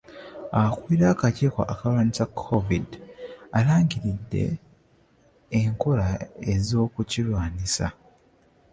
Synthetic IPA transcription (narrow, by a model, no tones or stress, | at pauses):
akwiɾakaciːkwa̰ʔːkalwaːnisakʰːovidalaːŋɟiɾidːe̞̰ | ŋkoɾaezo̞ːkucilwaːnisa̰